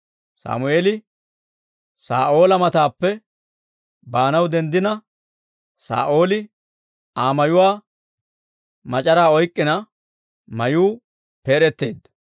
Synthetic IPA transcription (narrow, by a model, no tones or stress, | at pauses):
sa̰ːmʊe̞ːlɪ | saːʔo̞ːlɐmɐt̪aːpːɛ | baːnɐwd̪ɛnd̪ɪnɐ | sa̰ːʔo̞ːlɪ | aːmɐjʊwaː | mɐt͡ʃʼɐɾaːɔjkʼːɪnɐ | mɐjuː | pe̞ːɾɛt̪ːe̞̰ːd̪ːɐ̥